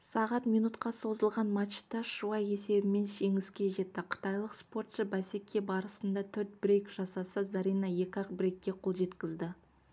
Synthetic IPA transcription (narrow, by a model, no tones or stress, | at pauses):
sɑʁɑt̪mijnut̪qɑso̞zəlˠʁɑnmɑt̪ʃt̪ːɑʃuɑje̞se̞bɪme̞nʃe̞ŋɪskʲe̞ʒe̞t̪ːɪqʰə̥t̪ɑjlˠəqspo̞rt̪ʃəbæse̞kʲʰe̞bɑɾəsənd̪ɑt̪ʰɵɾt̪̚bɪɾejkʒ̥ɑsɑsəzɑɾijnɑje̞kʲɑqbɪɾejkʲːe̞qʰo̞lˠʒe̞t̪kʲɪzd̪ɪ